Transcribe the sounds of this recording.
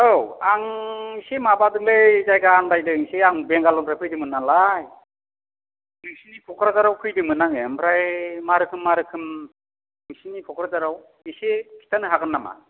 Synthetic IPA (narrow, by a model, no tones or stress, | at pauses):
owaŋsemabadɯŋlezajɡaːndajdɯŋseaŋbeŋɡalɔmpʰɾajkʰɯjdɯmɯnːaŋlaj | nɯŋsinikʰɔkʰɾazaɾawkʰɯjdɯmɯnaŋempʰɾajmaɾɯkʰɯmːaɾɯkʰɯm | nɯŋsinipʰɔkʰɾazaɾaw | isekʰi̥tʰanɯɦaɡɯnːama̰